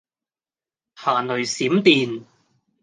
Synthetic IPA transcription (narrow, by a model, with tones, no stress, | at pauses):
haː˨˩nɵ˨˩ɥsiː˨˥mt̪iː˨n